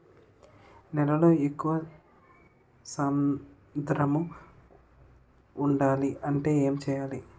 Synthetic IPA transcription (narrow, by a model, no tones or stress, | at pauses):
nɛlɐlo̞ːekːuʋɐ | saːm | d̪ɾɐmu | ɳɖaːliɐɳʈe̞ːeːmt͡ʃɛːjaːli